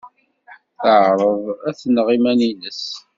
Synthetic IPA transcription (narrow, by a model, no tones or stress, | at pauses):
θəʕɾˤəðˤæθnʁimæninəs